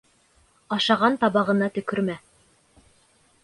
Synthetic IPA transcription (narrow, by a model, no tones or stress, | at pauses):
ɑʃɑʁɑnt̪ɑbɑʁɤ̆nɑt̪ɵ̆kɵɾmæ